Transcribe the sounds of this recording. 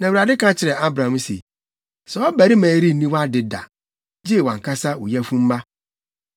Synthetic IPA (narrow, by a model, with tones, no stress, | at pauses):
nã˨wu˨ɾa˨dɪ˦kʰã˦t͡ɕʰɪ˨ɾɛ˨a˦bɾã˨m̩˦sḛ˨ | sɛ˨˦ɔ˦bæ˨ɾi˦mæ̃ː˨˦ɾi˦˨nĩ˦wa˦dɪ˨da̰˨ | d͡ʑi˦˨wã˨ŋ˨kʰa˦sa˦wu˨jæ˦fũ˦m̩˦ma˦